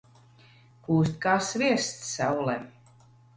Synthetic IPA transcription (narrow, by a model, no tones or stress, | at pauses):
kuːst̪̚ʲkaːsvʲiɛst̪ːawlɛm